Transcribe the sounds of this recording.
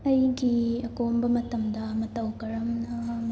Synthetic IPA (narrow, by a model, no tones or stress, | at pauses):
ɐjɡiɐkombɐmɐt̪ɐmd̪ɐːmɐt̪ɐwkɐɾɐmnɐm